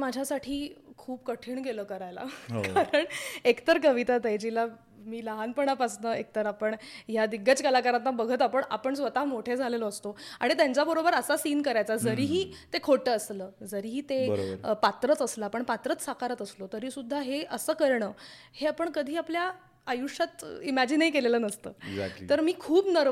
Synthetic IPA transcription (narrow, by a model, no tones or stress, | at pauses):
mad͡ʑʱjasaʈʰiːkʰuːp̚kəʈʰiːɳkeləːkəɾajla̰ɦo̰kaɾəɳekt̪əɾkəʋit̪at̪ajd͡ʑila | miːləɦanpəɳ̃apasnəek̚t̪əɾapəɳjad̪iɡʱət͡skəlakaɾant̪abəɡʱət̪apəɳa̰pəɳsʋət̪aɦmoʈʰed͡zʱaleləːst̪oaɽ̃it̪jãɲt͡ɕabəɾobəɾəsasiːnkəɾajt͡sad͡zəɾiːɦiːt̪ekʰoʈəːsləːd͡zəɾiːɦiːt̪eə̰bɾpat̪ɾət͡səslaːpəɳpat̪ɾət͡ssakaɾət̪əslot̪əɾiːsud̪ʱːaɦeʔəsəːkəɾɳəː | heapəɳkəd̪ʱiːapljaː | juʂat̪imad͡ʑinəikelelənəst̪ə̰ːɡza̰kit̪əɾmiːkʰuːbnəɾ